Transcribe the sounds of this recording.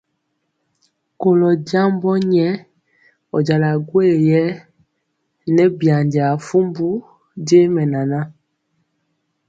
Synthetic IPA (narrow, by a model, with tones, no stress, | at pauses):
ko˨lɔ˨da˦mbɔ˦ɲɛ˦ | ɔ̰˨d͡ʒa˨la˨ɡwe˦˨jɛ˦ | nɛ˦bja˨nda˨fu˦mbu˦ | de˦mɛ˨na˨na˦